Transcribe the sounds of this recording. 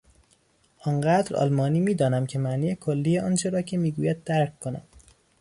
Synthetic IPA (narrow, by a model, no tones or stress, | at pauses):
ʔɒnɢæːd̪ɾɒ̰ːlmɒːniːmiːd̪ɒːnæmcʰe̞mæʔniːjekʰolːiːjeɒːnt͡ʃʰe̞ɾɒːcʰe̞miːɡuːjæd̪̚ːæɾkʰːonæ̰m